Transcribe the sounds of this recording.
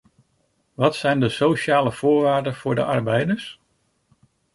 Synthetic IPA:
ʋɑtsɛjndəsowʃaːləv̥ʊːɹʋaːɹdənv̥ʊːɹdə̰ʔɑɹbɛjdəɹs

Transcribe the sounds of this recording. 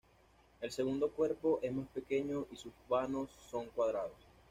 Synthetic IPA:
e̞lse̞ɣund̪okwe̞ɾpo̞ʔe̞zmaspe̞ke̞ɲo̞ʔisuzβano̞sːo̞ŋkwað̞ɾaðos

